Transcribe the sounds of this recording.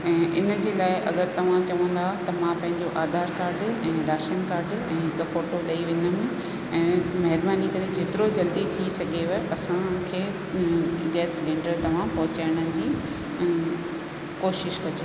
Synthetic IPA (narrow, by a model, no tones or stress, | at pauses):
ɛ̃ːʔɪnə̆d͡ʑeːlaːɪʔɐ̰ɡəɾt̪ɐʋ̤ãt͡ɕɐʋə̃n̆d̪at̪ɐmãpɐ̃ɦɪ̃ɲd͡ʑoʔaːd̪ʱaːɾkaːɾɖɛ̃ːɾaːʃənkaːɾɖɛ̃ːkɐfoːʈoɗɐiʋẽɲəmɪ̃ | ɛ̃ːmɐɦɪɾbaːnikɐɾed͡ʑʱeːt̪ɪɾod͡ʑɐld̪it̪ʰisɐɡʱeɐeʔɐsãkʰeː | ɡɛːslẽːɳɖəɾt̪ɐʋ̤ãpɐɦʊt͡ɕaːɪɽ̃ənɪ̆d͡ʑiː | koːʃɪʃkɐd͡ʑo